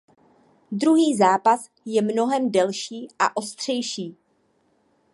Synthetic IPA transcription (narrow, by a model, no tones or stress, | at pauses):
dɾuɦiːzaːpas | jɛmno̞ɦɛmdɛlʃiːʔa̰ʔo̞st̪r̝̥ɛjʃiː